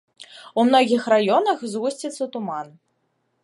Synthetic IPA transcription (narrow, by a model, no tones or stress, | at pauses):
umnɔɣʲixrajɔnɐxzɣusʲt͡sʲit̪sːɐt̪uman